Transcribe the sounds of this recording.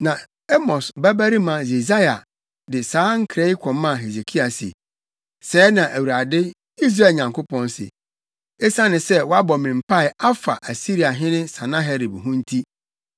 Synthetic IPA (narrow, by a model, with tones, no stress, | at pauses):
nã˨ | ɛ˦mɔ˨sbæ˦bæ˦ɾi˦mã˨ze˨za˦ja˨ | dɪ˨saː˨˦ŋ̩˦kʰɾe˦i˦kʰɔ̃˨mã˦˨ɦe˨ze˨kʰi˦a˨sɪ̰˨ | sɛː˨˦nã˨ʔæ˨wu˨ɾa˨dɪ˦ | i˦s̬ɾa˦˨ɲã˨ŋko˦pʰɔ̃˦n˦sɪ̰˨ | e˦sã˦nɪ̃˨sɛ˦wɔ˦a˦bɔ˨mɪ̃˨m̩˨pʰa˦ɪ˨a˦fa̰˨ʔæ˨si˦ɾi˨a˨ɦɪ̃˦nɪ̃˦sã˨nã˦ɦɛ˦ɾi˨bɦʊ̃˦n̩˦tʰi˦